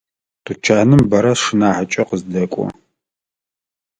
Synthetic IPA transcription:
tʰʼut͡ʃʰaːnɨmbɐɾɐʂɨnaːħat͡ʃʼɐqəzdɐkʷʼɔ̰

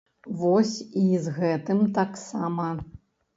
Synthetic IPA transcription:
vɔsʲizɣɛt̪ɨmt̪aksamɐ

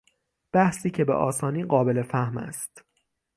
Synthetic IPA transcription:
b̥æhsiːcʰe̞bḛʔɒːsɒːniːɢɒːbe̞le̞fæhmæ̰st̪

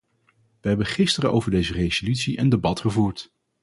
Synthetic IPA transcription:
ʋəɦɛbənχɪstərəʔo̰wvəɹdejzərejzolytsiʔəndebɑtχəvuːɹt

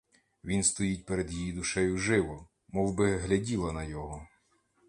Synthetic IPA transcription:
ʋʲinst̪ɔjit̚ʲpeɾed̪jijid̪ʊʃɛjʊʒɪʋɔ | mɔwbɪɦlʲɐdʲilˠɐnɐjɔɦɔ

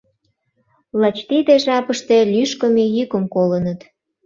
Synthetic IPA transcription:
lɑt͡ɕt̪id̪eʒɑpəʃt̪e̽lyʃkəmejykəmkolənət̪

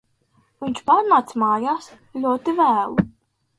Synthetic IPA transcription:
vinʲt͡ʃpaːɾnaːt̪smaːjaːs | lʲuɔt̪ivæːlˠ

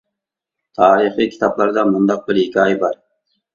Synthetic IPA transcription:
t̪ʰɑːɾɨχikʲʰi̥t̪ʰɑblˠɑɾd̪ɑmund̪ɑq̚bɪɾɪkʲʰiɑjbɑɾ

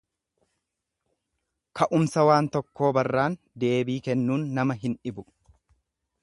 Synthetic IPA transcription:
kʰɐʔʊmsɐwaːnt̪ɔkːo̞ːbɐrːaːn | d̪e̞ːbiːkɛnːuːnːɐmɐɦɪnᶑɪbʊ

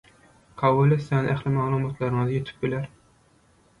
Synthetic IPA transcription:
kʰɑwːulɪsɛnʔæχlɪmɑlˠumɑt̪lˠɑɾɨŋɨzjet̪ʰɪ̥p̚bɪlæɾ

